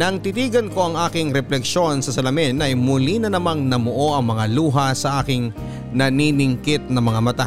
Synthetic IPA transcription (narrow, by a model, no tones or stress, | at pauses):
nɐɐŋt̪it̪iːɡɐnko̞ʔɐŋʔaːkɪŋɾɛplɛkʃo̞nsɐsɐlɐmɪnʔɐjmʊlinɐnɐmaŋnɐmoʔo̞ʔɐŋmɐŋaluːɦɐsɐʔaːkɪŋ | nɐninɪŋkɪt̪̚nɐŋmɐŋamɐt̪a